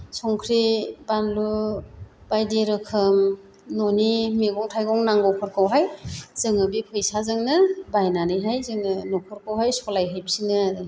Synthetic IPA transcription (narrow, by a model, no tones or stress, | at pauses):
sɔŋkʰɾibanlu | b̥ajdeɾɯkʰɯm | nɔnimeɡɔŋtʰajɡɔŋnaŋɡɔkʰɔɾkʰɯwɦajz̥ɯŋɯbikʰɯjsazɯŋnɯbajnanɯjɦajzɯŋnɯnɔkʰɔɾkʰɯwhajsɔlajɦɯjbsinɯaɾɯ